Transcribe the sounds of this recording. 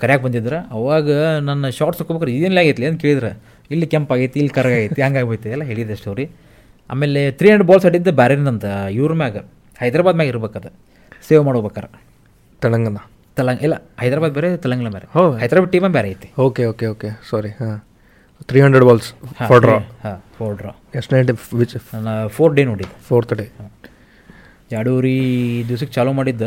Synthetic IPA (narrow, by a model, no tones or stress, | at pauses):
kɐɾɛjaːɡebɐnd̪id̪ɾeɐʋaːɡɐnɐnːɐʃaːɾʈsɐkːobekaɾid̪enɐlijaːɡit̪lenkeːɭid̪ɐɾɐ | ilːikempaːɡit̪ːiilːikɐɾɡaːɡit̪ːiɐŋɡaːɡbejt̪ːiɛlːɐɦeːɭid̪ɐʂʈɐʋɾi | a̰ːmeːlet̪ɾiːɐnɳɖeɖbaːlsɐɽiind̪ɐbaːɾeːɾind̪ɐnt̪ɐjuːɾmjaːɡɐ | hɐjd̪ɾaːbad̪mejaɡiɾɐbeːkaːd̪ɐ | seːʋmaːɽoːbeːkaːɾe | t̪ɐlɐŋɡɐnɐ | t̪ɐlɐŋɡilːɐhɐjd̪ɾaːbaːd̪̚beːɾet̪ɐlɐŋɡɐlɐbaːɾeɦohɐjd̪ɾaːbaʈːiːmɐnbɛːɾeaːjit̪ːi̥oːkeoːkeoːkesaːɾiha | t̪ʰɾiːɦɐɳɖɾeɖbaːlshaɔɾɖɾahaːfʰoːɾɖɾa̰ | esʈneːʈiʋit͡ʃːnapʰoːɾɖenoːɽid̪ːupʰoːɾt̪ɐɖehaː | aːɽuɾid̪iʋs̬ɐkːt͡ʃaːlomaːɽid̪ːu